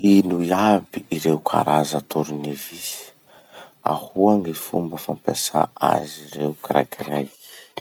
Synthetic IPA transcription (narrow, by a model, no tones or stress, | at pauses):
inuiabiiɾeukʰa̰ɾazat̪oɾunevisi̥ | a̰huaŋifṵmbəfampasa̰a̰ziɾeukira̰kʰiraj